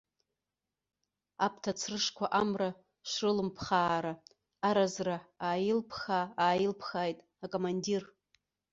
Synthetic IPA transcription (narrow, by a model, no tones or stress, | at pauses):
apʰtʰat͡sʰrɨʂkʷʰaʔamra | ʃʷrɨlɨmpʰχaːɾaː | ɾazraaːjɪlpʰχaaːjɪlpʰχaːjtʼ | akʼomandir